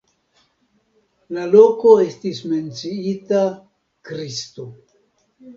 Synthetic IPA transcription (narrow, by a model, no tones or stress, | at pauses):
lalo̞ko̞e̞stisme̞nt͡siita | kɾisto̞